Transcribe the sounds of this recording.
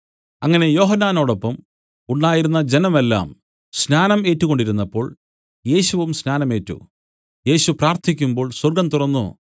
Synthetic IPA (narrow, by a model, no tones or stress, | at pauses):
ɐŋːɐne̞jo̞ːɦɐnːaːno̞ːɽo̞pːɐm | uɳɖaːjiɾunːɐd͡ʑe̞nɐme̞lːa̰ːm | snaːnɐme̞ːtːuɣo̞ɳɖiɾunːɐpːo̞ːɭ | je̞ːɕuʋumsnaːnɐme̞ːtːṵ | je̞ːɕupraːrt̪ʰikʲːumbo̞ːɭswɐrɡɐmt̪urɐnːo̰